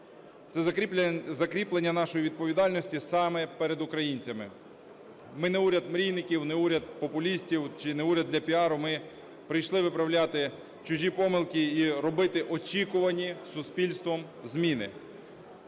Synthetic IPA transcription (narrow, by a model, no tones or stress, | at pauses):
t̪sɛ | zɐkɾʲiplˠenʲːɐnɑʃɔjiʋʲid̪̚pɔʋʲid̪ɑlʲnɔsʲtʲisɑmɛpɛɾed̪ʊkɾɐjinʲt͡sʲɐmɪ | mɪnɛuɾʲɐd̪mɾʲijnɪkʲiwnɛuɾʲɐd̪̚pɔpʊlʲisʲtʲiwt͡ʃɪnɛuɾʲɐd̪lʲɐpʲiɑɾʊmɪ | pɾɪjʃlˠɪʋɪpɾɐwlʲat̪ɪ | t͡ʃʊʒʲipɔmɪlˠkʲiiɾɔbɪt̪ɪʔɔt͡ʃikʊʋɐnʲisʊspʲilʲst̪ʋɔm | zmʲinɪ̰